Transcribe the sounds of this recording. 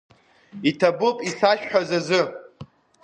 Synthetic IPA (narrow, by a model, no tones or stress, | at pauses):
itʰabɨpʼiɬaʃᶣħᶣazazɨ